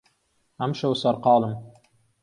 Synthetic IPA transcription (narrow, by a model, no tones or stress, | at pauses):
hæmʃawsɑɾqɑːlˠɤm